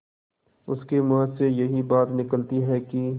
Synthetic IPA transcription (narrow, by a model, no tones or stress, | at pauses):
ʊskemɐɦd̪sejɐɦibaːt̪nɪkəlt̪iɦɛki